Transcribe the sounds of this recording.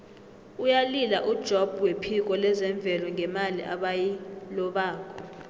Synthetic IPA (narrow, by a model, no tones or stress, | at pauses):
ujalilaʔud̥ʒ̥ʱɔb̥ʱwepʰik̬ʼɔlɛzɛɱb̪vʱɛlɔŋʱɛmaliʔaɓajilɔɓaːkʰʼɔ